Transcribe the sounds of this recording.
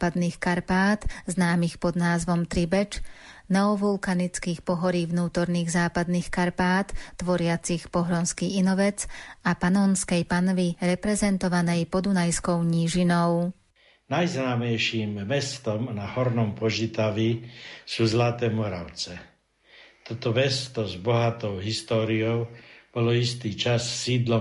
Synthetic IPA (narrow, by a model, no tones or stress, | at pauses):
pad̪niːxkaɾpaːt̪znaːmixpɔd̪naːzʋɔmt̪ɾibɛt͡ʃ | nɛɔʋulkanit͡skiːxpɔɦɔɾiːʋnuːt̪ɔɾniːɣzaːpad̪niːxkaɾpaːt̪ːʋɔɾɪat͡sixpɔɦɾɔnskiːinɔʋɛt͡sapanɔːnskɛjpanʋiɾɛpɾɛzɛnt̪ɔʋanɛjpɔd̪unajskɔʊɲiːʒinɔʊ | najznaːmɛjʃiːmmɛst̪ɔmnahɔɾnɔmpɔʒit̪aʋisuːzlat̪ɛːmɔɾa̰ʊt͡sɛ | t̪ɔt̪ɔmɛst̪ɔzbɔɦat̪ɔʊɦist̪ɔːɾiɔʊb̥ɔlɔist̪iːt͡ʃasːiːd̪lɔ